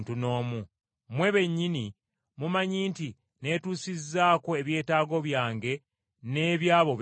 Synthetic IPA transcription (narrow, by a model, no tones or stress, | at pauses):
ntuno̞ːmu | mwe̞βe̞ɲːini | mumaɲiːnti | ne̞ːtuːsizːaːko̞e̞βje̞ːtaːɡo̞βjaːŋɡe̞ | ne̞ːβjaːβo̞